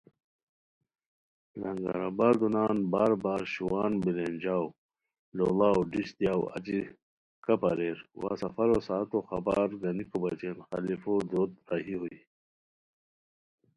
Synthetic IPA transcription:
lɐŋɡɐ̰ɾabaɾd̪unaːnbaːɾbaːɾɕuwaːnbilend͡ʑaːw | lolaːwɖiɕt̪jaːwɐ̰t͡ɕi | kɐpɐɾeːɾwa̰ːsɐfɐɾosaːt̪oxɐba̰ːɾɡɐnikobɐt͡ɕenxɐ̰lifod̪oːt̪ɾaɦiɦui

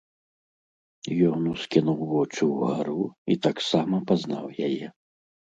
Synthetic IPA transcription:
jɔnuskʲinuwvɔt͡ʂuwɣaɾuit̪aksamɐpaznawjajɛ

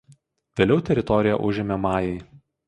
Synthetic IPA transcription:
ʋʲeːlʲɛʊt̪ʲɛɾʲɪt̪ɔɾʲɪjɛ̰ʔʊʒʲɪmʲemɑːjɛɪ

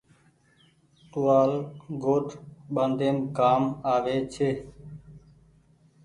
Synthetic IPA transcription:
tʊːaːlɡoːʈʰɓənd̪eːmkaːmaːʋeːt͡ʃʰeː

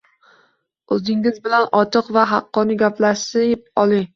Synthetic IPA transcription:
ɵzɪŋɪzbɪlanɒt̪ʰɨqvaɦɑqːɒnɪɡʲaplaʃsɪpɒlˠɪŋ

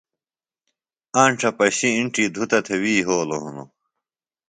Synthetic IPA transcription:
aːɳʈ͡ʂʰɐpɐɕiːɳʈid̪ʱut̪ɐt̪ʰewiːɦoːloɦuno̰

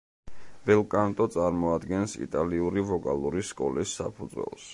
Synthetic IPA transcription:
b̥ɛlˠkʼant̪ʼɔt̪sʼaɾmɔad̪ɡɛnsḭt̪ʼaliuɾivɔkʼalˠuɾiskʼɔ̰lisapʰud̪zwɛ̰lˠs

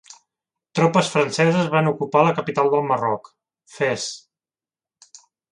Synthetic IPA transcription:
t̪ɾɔpəsfɾənsɛzəzβanukupaləkəpit̪alˠd̪əlˠmərɔk | fɛs

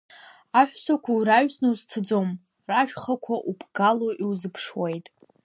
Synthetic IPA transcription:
aħᶣʷsakʷʰawɾaɥsnɨzt͡sʰɨd͡zo̞m | raʒᶣχakʷʰaʔubʰɡaloʔiwzɨpʰʂwejtʼ

